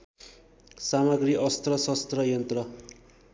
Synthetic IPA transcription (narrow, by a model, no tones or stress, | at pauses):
samʌɡriʔʌst̪rʌsʌst̪rʌjʌnt̪rʌ